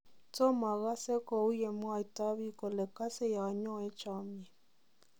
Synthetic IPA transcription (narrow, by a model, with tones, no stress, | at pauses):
to˦ma˨ɣa˦se˦ko˨u˦je˨mwa˦˨i˨ta˦βi˦ko˨le˨ka˦se˦˨ja˨ɲɔ˦e˦t͡ʃa˦mjɛ˨